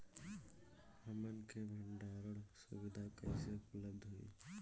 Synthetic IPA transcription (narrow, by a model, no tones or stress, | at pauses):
həmənkebʱəɳɖaɾəɽsṵbid̪ʱakəɪseʊpələbd̪ʱɦoḭ